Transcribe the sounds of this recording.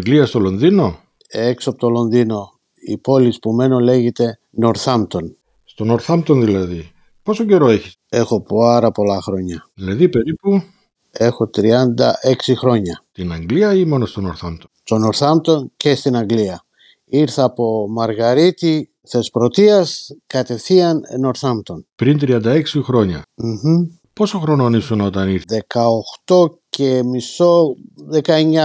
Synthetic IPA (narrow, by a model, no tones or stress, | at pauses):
ŋɡliɐst̪o̞lo̞nðino̞ | eksoɐpot̪o̞lo̞nðino̞ | ḭpo̞lispume̞nole̞ʝet̪e̞ | no̞ɾθɐmt̪o̞n | st̪o̞noɾθɐmt̪onðilɐði | po̞soɟe̞ɾoeçi | e̞xo̞paɾɐpo̞lɐxɾo̞ɲɐðilɐðipe̞ɾipu | e̞xo̞t̪ɾiɐnd̪ɐ̰ʔe̞ksixɾo̞ɲɐt̪inɐŋɡliɐimo̞nost̪onoɾθɐnt̪ost̪o̞no̞ɾθɐmt̪o̞ncest̪inɐŋɡliɐ | iɾθɐːpo̞mɐɾɣɐɾit̪i | θespɾo̞t̪iɐskɐt̪e̞θiɐnḛno̞ɾθɐmt̪o̞npɾint̪ɾiɐnd̪ɐeksixɾo̞ɲɐ̰m̩xm̩ | po̞soxɾo̞nonisunot̪ɐniɾðe̞kɐoxt̪o̞cemiso̞ðekɐeɲa